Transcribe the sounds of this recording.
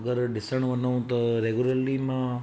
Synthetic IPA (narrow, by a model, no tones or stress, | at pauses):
ɡəɾɖɪsəɳʋənũːt̪oɾeɡuləɾlimã